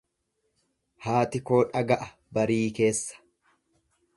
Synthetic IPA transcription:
haːt̪ɪko̞ːᶑɐɡɐʔɐ | bɐɾiːke̞ːsːɐ̥

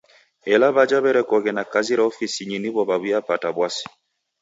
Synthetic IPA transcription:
ɛlaβad͡ʒaβɛɾɛkɔɣɛnakaziɾaɔfisiɲiniβɔβaβujapataβwasi̥

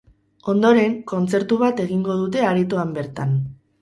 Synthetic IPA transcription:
o̞nd̪o̞ɾe̞ŋko̞nt͡se̞ɾt̪uβat̪e̞ɣiŋɡo̞ð̞ut̪̬e̞aɾit̪uambe̞ɾt̪an

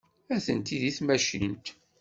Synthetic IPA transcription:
æθənt̪iðiθmæʃḭnt̪

